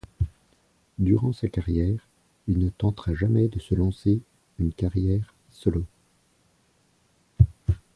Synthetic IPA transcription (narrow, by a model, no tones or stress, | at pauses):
d̪yʁɑ̃sakaʁjɛːʁ | ilnət̪ɑ̃t̪χaʒamɛd̪əsəlɑ̃se | ynkaʁjɛʁ | sɔlo